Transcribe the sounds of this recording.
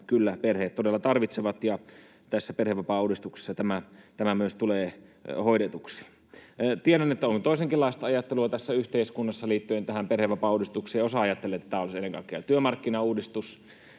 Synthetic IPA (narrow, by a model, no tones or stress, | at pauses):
kylːæperheːt̪t̪odelːɑt̪ɑrʋit̪seʋɑt̪jɑ | t̪æsːæperheʋʋɑpɑuːdist̪ukse̥sːɑt̪æmæt̪æmæmyøst̪uleːhoidet̪uksi̥ː | t̪ieɾænet̪ːæoŋkt̪oˑiseŋkilːɑˑest̪ɑɑjɑt̪ːeluɑt̪æsːæyht̪eiskunːɑsːɑliːt̪ːyent̪æhæmperheʋʋɑpɑuːdist̪ukseːjosɑɑjɑt̪ːelːet̪ːæt̪æːolisenːeŋkɑ̰ˑikːˑeɑt̪yømɑrkːinɑuːdist̪us